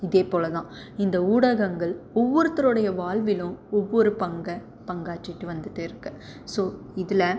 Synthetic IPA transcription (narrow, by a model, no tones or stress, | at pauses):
ɪðeːpoːlɐðãː | ɪnd̪ɐuːɽɐɣɐŋɡɐɭɔʋːɔɾɯt̪ːɐɾɯɽɐjɐʋaːɭʋɪlʊ̃ɔʋːɔɾɯpɐŋɡɐ | pɐŋɡaːt͡ʃːɪʈːɯʋɐnd̪ɯtːɯɪɾɯkːɯ̥soːɪðɪlɐ